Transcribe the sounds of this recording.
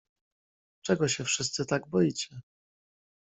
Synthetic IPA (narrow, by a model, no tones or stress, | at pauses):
t͡ʂɛɡɔɕɛfʂɘst̪sɘt̪aɡbɔjit͡ɕɛ